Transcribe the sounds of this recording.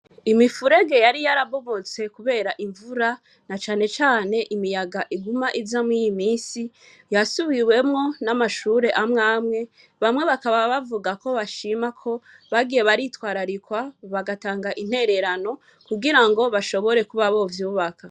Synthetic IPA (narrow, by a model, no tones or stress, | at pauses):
imifuɾe̞ɡe̞jaɾijaɾaβo̞βo̞t͡se̞kuβe̞ːɾaʔiɱvuɾa | nat͡ʃaːne̞t͡ʃaːne̞ʔimijaɡaʔiɡumaʔizamwijimiːnsi | jasuβiwe̞mŋo̞namaʃuɾe̞ʔamŋaːmŋe̞ | βamŋe̞βakaβaβavuɡako̞βaʃiːmakʰo̞ | βaɡijeβaɾitwaːɾaɾikwaβaɡataːŋɡaʔin̥he̞ɾe̞ɾano̞ | kuɡiɾaŋɡo̞βaʃo̞βo̞ɾe̞kuβaβovjuːβaka